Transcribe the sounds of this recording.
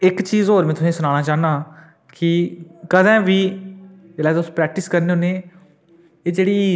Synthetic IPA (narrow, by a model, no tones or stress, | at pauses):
ɪkt͡ʃiːzɦoːɾmẽːt̪ʰʊsĩːsʊnãːñaːt͡ʃaːɦnaː | kɪkəd̪ɛ̃ːʋiː | d͡ʒelaːd̪ʊspɾɛːk̚ʈɪskəɾneːoːneː | eːd͡ʒeːɽiː